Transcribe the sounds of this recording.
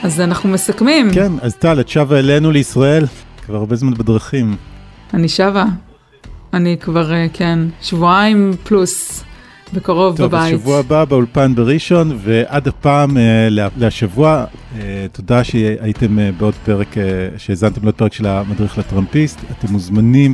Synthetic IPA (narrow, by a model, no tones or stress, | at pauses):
azanaχnumesakmimkenaztaletʃavaele̞nuleisʁae̞lkvaʁabezmanbedʁaχim | aniʃava | anikvaʁekʰe̞nʃvuaimplus | bekaʁo̞vbtoavbaʃiavuababeulpanbeʁiʃo̞nve̞ʔadapaːmelealeaʃavuaetodaʃeaite̞mebeo̞dpeʁekeʃeːzantemleot̚pe̞ʁekʃelamadʁiχlatʁampistate̞mːuzmanim